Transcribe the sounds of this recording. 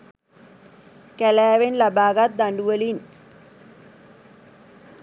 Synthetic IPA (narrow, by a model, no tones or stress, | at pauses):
kɛlæːʋenlɐbaːɡat̪̚d̪aɳɖuʋəlin